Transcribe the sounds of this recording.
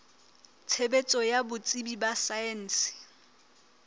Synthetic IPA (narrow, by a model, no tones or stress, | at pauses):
t͡sʰebet͡sʼɔjabʊt͡sʼibibasaɛn̩ːsɪ̥